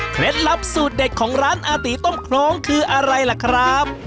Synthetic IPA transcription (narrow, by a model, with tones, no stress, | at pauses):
kʰɾe˦˥t̪̚la˦˥p̚suː˨˩t̪̚de˨˩t̪̚kʰɔː˩˦ŋɾaː˦˥nʔaː˧t̪iː˨˦t̪o˥˩mkʰɾɔː˧ŋkʰɯː˧ʔa˧ɾa˧jla˨˩kʰɾa˦˥p̚